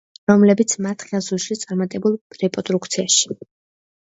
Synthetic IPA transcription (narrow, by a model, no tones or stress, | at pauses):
ɾɔmlɛbit̪sʰmat̪ʰχazulˠʃit̪sʼaɾmat̪ʼɛbulˠɾɛpʼɔt̪ʼɾukt̪sʰiaʃi̥